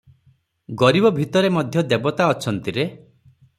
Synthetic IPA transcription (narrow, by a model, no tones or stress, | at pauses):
ɡɔɾibɔbʱit̪ɔɾemɔd̪ʱjɔd̪ebɔt̪aɔt͡ʃʰɔnt̪iɾe